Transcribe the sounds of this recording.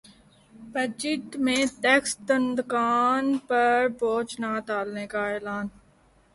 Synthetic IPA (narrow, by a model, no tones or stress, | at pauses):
bɐd͡ʒɪʈ̪mẽːʈɛːkst̪ənd̪kaːnpɐɾboːt͡ʃnat̪aːlneːkaeːlaːn